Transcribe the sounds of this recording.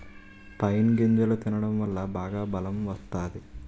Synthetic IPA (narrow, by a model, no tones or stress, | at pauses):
pɐjnɡiɲd͡ʒɐlɐt̪inɐɽɐmʋɐlːɐbʱaːɡɐbɐlɐmʋɐst̪ːaːd̪e